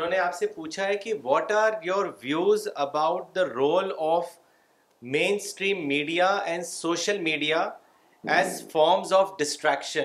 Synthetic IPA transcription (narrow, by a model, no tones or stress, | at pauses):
õːneaːpsepuːt͡ʃʰaɦɛkiʋɔːʈaːɾjɔːɾʋjuːzɐbaʊʈ̚d̪əɾoːlɔːf | mẽːnsʈɾĩːmːiːɖiaɛ̃ɳɖsoːʃəlmiːɖija | ɛːzfɔːɾmzɔːfɖɪsʈɾɛːkʃə̃n